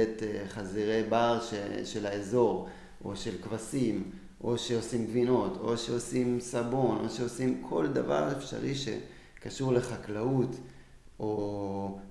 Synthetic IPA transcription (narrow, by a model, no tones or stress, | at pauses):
etχaziʁebaʁʃeʃe̞laezo̞ʁ | ʔo̞̰ʃe̞lkvasim | ʔo̞ʃe̞osimɡvino̞tʰo̞̰ʃeo̞simsabo̞nʔo̞̰ʃeo̞simkʰo̞ld̪ava̰ʁefʃa̰ʁiʃe̞̰ | kaʃuʁle̞χaklaut | ʔo